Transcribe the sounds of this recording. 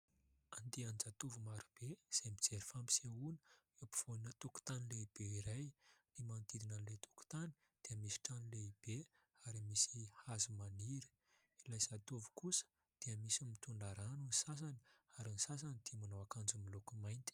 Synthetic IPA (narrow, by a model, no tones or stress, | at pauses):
and̪iand͡zat̪uvumaɾub̥ez̥ajmid͡zeɾifampi̥seunə̥epi̥v̥onət̪uku̥t̪anileib̥eiɾajnimant̪id̪inanlet̪u̥ku̥t̪ani̥ | d̪̥eəmisi̥ʈ͡ʂanileib̥e | aɾimisihazumaniɾə̥ | ilajsat̪uvu̥kusə̥ | d̪̥eəmisimit̪uɳaɾanunisas̬aniaɾinisas̬anid̪̥eəmanowakand͡zumilokumajnt̪i̥